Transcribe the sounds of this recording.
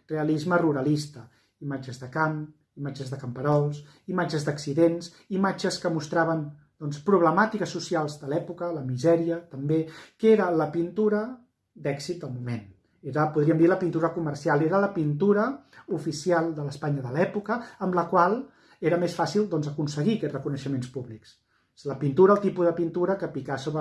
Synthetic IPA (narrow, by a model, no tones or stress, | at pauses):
reəlizməruɾəlist̪ə | imad͡ʒəzðəkam | imad͡ʒəzðəkəmpəɾɔlˠs | imad͡ʒəzðəksiðens | imad͡ʒəskəmust̪ɾaβən | d̪̥ɔnspɾuβləmat̪ikəsːusialˠzðəlɛpukələmizɛɾiət̪əmbekeɾələpint̪uɾə | d̪ɛksit̪̚d̪əlˠmumen | eɾəpuðɾiəmd̪iləpint̪uɾəkuməɾsialˠeɾələpint̪uɾəufisialˠd̪ələspaɲəðəlɛpukəːmləkwalˠ | eɾəmesfasilˠd̪ɔnzəkunsəɣikɛrəkunəʃəmenspuβliks | ləpint̪uɾəːlˠt̪ipuðəpint̪uɾəkəpikasoβɾ